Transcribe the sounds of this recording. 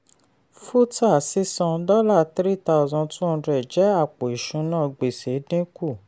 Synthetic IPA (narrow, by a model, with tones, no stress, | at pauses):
fu˦ta˦˨si˦sɔ̃˧dɔ˦la˦˨tɾi˦ta˦˧u˦˧zɔ̃˧tũ˦ɔ˧dɾɛ˨d͡ʒɛ˨˦a˦˨k͡po˨i˨ʃũ˨˦nã˦˨ɡ͡be˨se˨˦dĩ˦ku˦˨